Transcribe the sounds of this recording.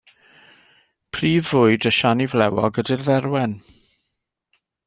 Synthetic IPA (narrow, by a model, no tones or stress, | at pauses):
pʰriːvʊɨdəʃanivlɛwɔɡədɪrðɛrwɛn